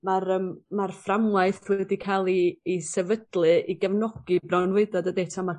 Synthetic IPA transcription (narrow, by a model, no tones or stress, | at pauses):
marəmːarframwajθwɛdikʰalˠiːsɛvədlˠɨʔiɡɛvnɔɡ̥ɨbrɔnwɨɨdɔdɔdetʰama